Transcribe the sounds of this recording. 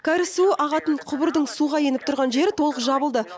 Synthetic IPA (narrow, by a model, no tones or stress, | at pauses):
kʲʰæɾɪsuɪʔɑʁɑt̪əɴqʰʊbəɾd̪əɴsuʁɑje̞nɪp̚t̪ʰʊɾʁɑnʒe̞ɾɪt̪ʰo̞lˠəqʒɑbəlˠd̪ə